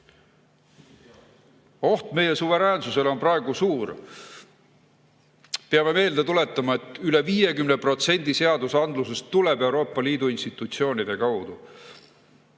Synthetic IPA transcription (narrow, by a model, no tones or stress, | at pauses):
o̞ht̪me̞je̞suve̞ɾæːnsuse̞lo̞nprɑe̞ɡ̥usuːr | peɑme̞me̞ːld̪et̪ule̞t̪ˑːɑmɑe̞t̪ːˑyle̞viːje̞kymne̞pro̞t̪se̞nʲd̪̥ise̞ɑd̪usɑnd̪luse̞st̪ːulebe̞wɾo̞ːpːˑɑliːd̪uinst̪it̪ˑut̪sio̞ːnʲid̪̥e̞kɑwd̪̥u